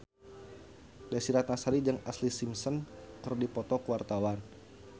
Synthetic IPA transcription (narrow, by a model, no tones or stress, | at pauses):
dasiɾat̪̚nasaɾid͡ʒəŋaslisimsɔnkərdipɔt̪ɔkuwart̪awan